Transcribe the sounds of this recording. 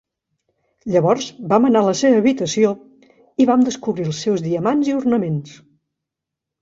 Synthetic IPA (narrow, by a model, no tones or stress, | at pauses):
ʎəβɔrzbamənaləseβəːβit̪əsio | iβamd̪əskuβɾilˠsɛwzðiəmanziurnəmens